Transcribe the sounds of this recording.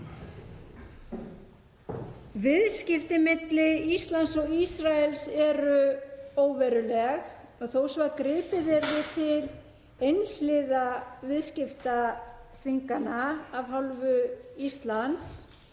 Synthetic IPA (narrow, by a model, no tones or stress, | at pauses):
vɪðscɪft̪ɪmɪt̪lɪist̪lant̪sɔɣisɾaɛlsɛɾʏoːwvɛɾʏlɛx | ɔɣθowsvakɾɪːpɪvɛɾðɪt̪ʰɪl | ejnl̥ɪðavɪðscɪft̪aθiŋkanaavɦalvʏist̪lant̪s